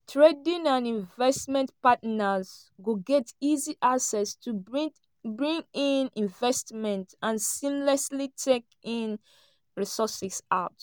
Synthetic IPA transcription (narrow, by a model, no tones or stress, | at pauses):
tʰɹedĩnãnĩɱvɛstmɛ̃ntpatnazɡoɡɛtiziʔaksɛstʰu | bɹĩŋĩnĩɱvɛstmɛ̃ntãnsĩmlɛslitʰek | ĩn | ɹisɔsisa̰ʊt